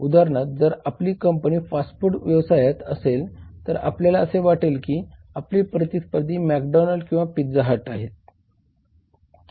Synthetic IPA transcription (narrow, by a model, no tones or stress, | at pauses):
ud̪aɾɳat̪̚d͡zəɾapliːkəmpəniːfasʈfuʈʋjəʋsajat̪əselt̪əɾa̰pljalaəseʋaʈelkiː | apliːpɾət̪ispəd̪ʱiːmækɖɔnəlɖkĩw̃ʋapid͡zaɦaʈaɦet̪̚